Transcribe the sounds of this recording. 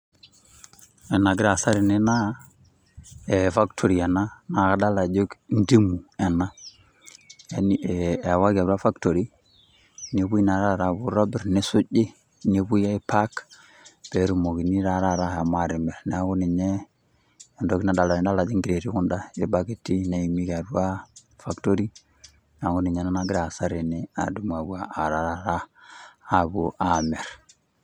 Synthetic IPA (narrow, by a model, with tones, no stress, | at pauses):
ɛ˨na˨ɡi˦ɾa˨sa˦ɾi˨ni˦na˦ | e˨fa˦ktʰo˨ɾi˨a˨na˦na˨ɣa˨˦da˦la˨d͡ʒo˦kndi˦mu˨ɛ˨na˦ | e˦ni˨e˨a˨wa˦ɡa˨bɾa˦fa˦kto˨ɾi˦ | ɲe˦βu˦i˦na˨ɾa˦ɾa˨bu˦ɾa˦bi˦ɾne˦su˦ɟi˦ | ɲe˦bu˦ja˦i˦pa˦k | b̥e˨˦ɾu˦mo˨ɡi˨ni˦ɾa˦ɾa˦ɾa˦a˨ma˨ɾi˨me˨ɾn˦a˦ɡu˦ni˨ɲe˦˨ | ndo˦ki˦na˨ɗa˨la˨i˨nda˦la˨d͡ʒi˦ŋɡi˨ɾe˨ɾi˦ku˦nɗa˦je˦ba˦ɡi˨ti˦na˦i˨mi˦ka˨du˦a˦fa˨kto˦ɾi˦ | n˨a˨ɡu˦ni˨ɲe˨˦na˦na˦ɡi˦ɾa˨sa˦ɾi˨ni˦a̰˨du˦ma˨bu˦a˨a˨ɾa˨ɾa˦ɾaː˦˨ | bu˨ʔa˨me˨ɾ